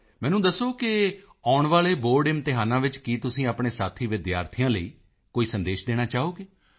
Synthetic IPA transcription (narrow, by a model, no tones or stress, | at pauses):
mɛ̃ːnũːd̪əsoːkɪ | aːʊɳʋaːleːboːɾɖɪmt̪ɪɦaːnãːʋɪt͡ʃkiːt̪ʊsĩːapɳ̃eːsaːt̪ʰiːʋɪd̪ja̰ːɾt̪ʰijãːləiː | koːiːsənd̪eːʃd̪eːñaːt͡ʃaːoːɡeː